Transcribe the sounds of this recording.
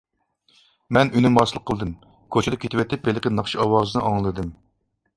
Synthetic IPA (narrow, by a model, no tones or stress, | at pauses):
mɛnynɪmɑsɨlˠəqʰːəlˠɨd̪ɨm | kʰot͡ʃʰɪd̪ɑkʲʰet̪ʰɪwɛt̪ʰɪp̚belɪqʲɪnɑχʃiɑwɑːzɨnɨʔɑŋlˠɨd̪ɨm